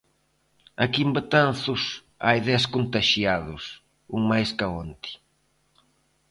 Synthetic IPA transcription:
akimbat̪an̟θʊs | a̰jðɛskont̪aʃjaðʊs | uŋmajskaont̪i̥

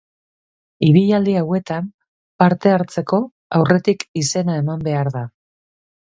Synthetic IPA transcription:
iβiʎald̪iawe̞t̪am | paɾt̪e̞aɾt͡se̞ko̞ | awre̞t̪ikise̞nae̞mambe̞aɾða

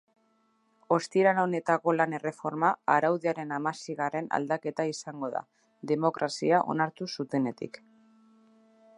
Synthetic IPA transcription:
o̞st̪iɾalone̞t̪ako̞lane̞re̞fo̞ɾmaːɾawðeaɾe̞namasiɣare̞na̰ld̪ake̞t̪aisaŋɡo̞ða̰ | ðe̞mo̞kɾʔasiaʔo̞̰naɾt̪usut̪e̞ne̞t̪ḭk

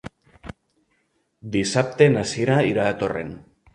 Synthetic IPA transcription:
d̪isap̚t̪enasieɾaiɾaðat̪o̞rḛn

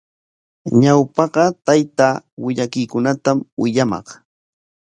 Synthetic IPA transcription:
ɲawpɑɢɑt̪ajt̪aːwɪʎakɪjkʊnat̪amwɪʎamɑ̰χ

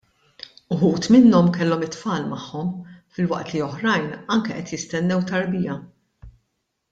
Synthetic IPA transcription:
ʊħuːt̪mɪnːɔmkɛlːɔmɪt̪fɐːlmɐħːɔmfɪlwɐʔt̪liɔħɾɐjnɐŋkɛʔɛt̪jɪst̪ɛnːɛwt̪ɐɾbɪjɐ

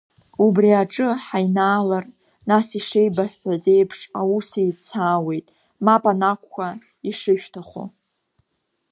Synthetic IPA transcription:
ubriaʈ͡ʂʼɨħajnaːlar | nasiʂejbaħʷᶣħʷaze̞jpʰʂausejt͡sʰaːwe̞jtʼ | mapʼanakʷʰkʷa | iʂɨʃᶣtʰaχo̰

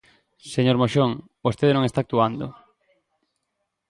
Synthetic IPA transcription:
seɲoɾmoʃoŋ | bost̪eðenõŋest̪ak̚t̪uand̪ʊ

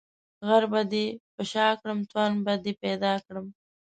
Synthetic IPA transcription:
ɣaɾbad̪ipəʃɑːkɽəmt̪wanbad̪ipɛd̪ɑːkɽəm

